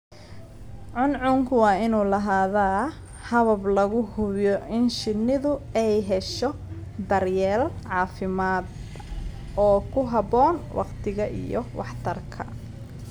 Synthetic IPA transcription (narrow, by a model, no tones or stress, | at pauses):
ʕʊnʕʊŋkʰʊwɑːɪnuːlɐɦaːðaː | hɐβɐblɐɣʊhʊβjɔʔɪnʃɪnɪðʊɛjɦɛʃɔ | d̪ɐrjɛːlʕɑːfɪmaːd̪ | ɔːkʰʊɦɐbɔːnwʔɑ̰qt̪ʰɪɣɐʔḭjɔ̰wɑħt̪ʰɐrkʰɐ̰